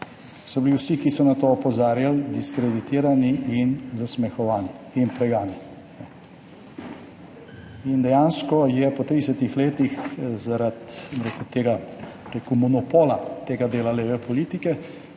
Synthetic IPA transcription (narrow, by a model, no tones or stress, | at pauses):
sɔbiliwsikisɔnat̪oɔpɔzaːɾjald̪iskɾɛd̪it̪iːɾaniinzasmɛxɔʋaːniːnpɾɛɡaːni | nɛ | ind̪ɛjaːnskɔjɛpɔt̪ɾidɛsɛt̪ixleːt̪ixzaɾat̪bomɾekut̪eːɡa | ɾeːkumɔnɔpoːlat̪eːɡad̪eːlaleːʋɛpɔliːt̪ikɛ